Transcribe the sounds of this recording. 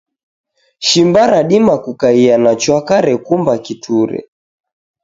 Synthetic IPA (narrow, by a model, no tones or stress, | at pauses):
ʃimbaɾaɗimakukaianat͡ʃwakaɾɛkumbakitʰuɾɛ̰